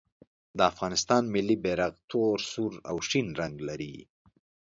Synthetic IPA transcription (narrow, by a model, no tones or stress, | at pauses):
d̪əafɣɑnɪst̪ɑnmɪlːibeɾaɣt̪ʰoɾsuɾa̰wʂinɾaŋɡlaɾḭ